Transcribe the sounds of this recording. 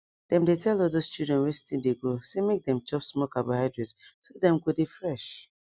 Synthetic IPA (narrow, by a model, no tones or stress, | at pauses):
d̥ɛ̃mdetʰɛlɔldost͡ʃudɹɛ̃nwɛt͡ʃtĩndeɡosemek̚dɛ̃mt͡ʃɔpsmɔkabohaɪdɹɛtsodɛ̃mɡodefɹɛʃ